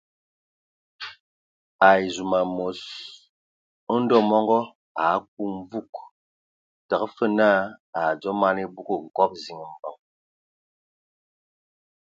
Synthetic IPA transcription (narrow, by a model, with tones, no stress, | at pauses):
a˨zu˨ma˨mo˨s | n̩˦dɔ˦mɔ˦ŋɡɔ˦ | a˨˦k̚u˦m˦vu˦˨k | ta˨ə˦fə˦na˦a˨d͡zɔ˦ma˦ni˦bu˦ko˦ŋ̩˨kɔ˦p̚zi˨ŋ˨m̩˨bə˨ŋ